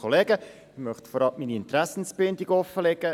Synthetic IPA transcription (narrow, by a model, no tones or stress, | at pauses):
ɔleːɡə | ɪmœχtfɔɾɑmiːniɪnt̪ɾæsn̩sb̥ɪndiɡɔfəlɛɡə